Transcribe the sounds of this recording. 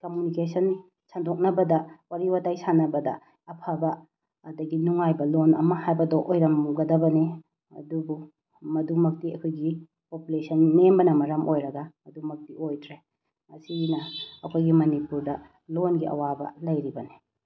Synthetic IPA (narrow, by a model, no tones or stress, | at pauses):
kɐmunikesʰɐn | sandok̚nɐbɐdɐwaɾiwatajsanɐbɐdɐ̰ | ɐpʰabɐː | dɐɡinuŋajbɐlonɐ̰mɐhajbɐdoʔojɾɐmɡɐdɐbɐne | ɐ̰dubu | mɐdumɐk̚tiɐkʰojɡi | populesɐnmembɐnɐmɐɾɐmʔojɾɐɡɐɐdumɐk̚tiojdɾe | ɐsinɐɐkʰojɡimɐnipuɾdɐ | lonɡiʔɐ̰wabɐ̰lɐjɾibɐne